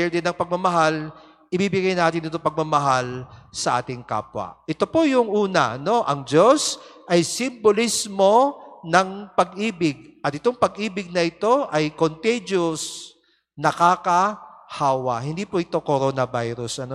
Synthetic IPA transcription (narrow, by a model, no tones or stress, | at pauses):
ɛld̪ɛnɐŋpɐɡ̚mɐmɐɦal | ʔɪbiːbɪɡajnaːt̪ɪnɪt̪opɐɡ̚mɐmɐɦalsɐʔa̰ːt̪ɪŋka̰ːpwɐ̰ʔɪt̪o̞pojʊŋʔuːnɐ̰ʔɐno̞ʔɐŋd͡ʒo̞sʔɐjsɪmbolismo̞nɐŋpɐɡʔiːbɪɡ̚ʔɐt̪̚ɪt̪oŋpɐɡiːbɪɡ̚nɐʔɪt̪o̞ʔɐjkont̪ejd͡ʒos | nɐkaːkɐhaːwɐhɪnd̪iːpoʔɪt̪o̞koɾo̞ːnɐbajɾʊsʔɐno